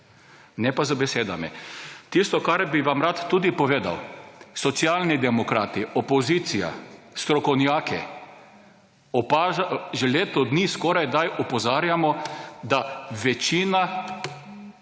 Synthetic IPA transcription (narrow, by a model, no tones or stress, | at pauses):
nɛpazabɛseːd̪a̰mɛ̰t̪ist̪ɔkaɾbiʋamɾat̪ːud̪ipɔʋeːd̪a̰wsɔt̪sjaːlnid̪ɛmɔkɾaːt̪iɔpɔziːt̪sija̰ | st̪ɾɔkɔwnjaːkʰɛ | ɔpaʒɛleːt̪ɔd̪niːskɔɾajd̪ajʔɔpɔzaːɾjamɔd̪aʋɛt͡ʃiːna